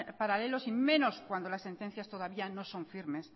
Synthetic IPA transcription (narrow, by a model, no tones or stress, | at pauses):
paɾale̞lo̞simẽ̞no̞skwand̪o̞lasːe̞nt̪ẽn̟θjast̪o̞ðaβ̞iano̞so̞ɱfiɾme̞s